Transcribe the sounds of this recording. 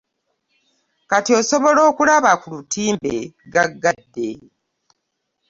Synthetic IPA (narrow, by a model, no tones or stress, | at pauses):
katio̞ːso̞βo̞lo̞ːkulaβakulutiːmbeɡaɡːadːe